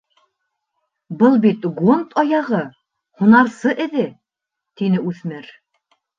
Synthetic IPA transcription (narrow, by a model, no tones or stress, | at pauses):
bɤlˠbit̪ɡont̪ʰɑjɑʁɤ | hunɑɾsɤʔɘ̆ðɘ | t̪inɘʉθmɘɾ